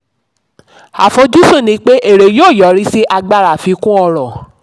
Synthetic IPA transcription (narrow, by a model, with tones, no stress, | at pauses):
a̰˨fo˨˦d͡ʒu˦su˦˨nĩ˧˦k͡pe˦ʔe˦˨ɾe˨joː˦˨jɔ˨˦ɾi˦si˦ʔa˧ɡ͡ba˦ɾa˨fi˨˧kũ˦ɔ˧ɾɔ˨